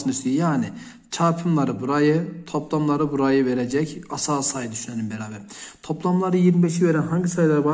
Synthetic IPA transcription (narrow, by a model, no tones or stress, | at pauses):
ɯnɯsijjaːni | t͡ʃʰaːpʰɯmlˠaɾɯbuɾajɯt̪ʰo̞plˠamlˠaɾɯbuɾajɯveɾed͡ʒɛcasaːsajɯd̪yʃynenimbeɾaːbɛɾt̪ʰo̞plˠamlˠaɾɯjiɾmibeʃiveɾænɦaɲɟisajlˠaɾɯba